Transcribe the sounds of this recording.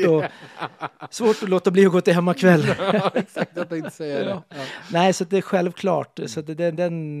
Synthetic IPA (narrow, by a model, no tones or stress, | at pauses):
ɔ | svoːʈɔloːt̪abliːɔɡoːt̪ːɪɦɛmːakʰvɛlː | ɪsɛ | næɪsɔt̪̚d̪ɛæɾɧɛlʋkʰlɑ̰ːʈsɔt̪d̪ɛd̪ɛn